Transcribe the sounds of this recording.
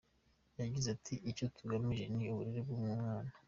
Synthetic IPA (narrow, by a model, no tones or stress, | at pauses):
jaɡizatʰiʔːco̞tʰuɡamiʒe̞niuβuɾiɾeb̚ɡuːmŋumŋaːna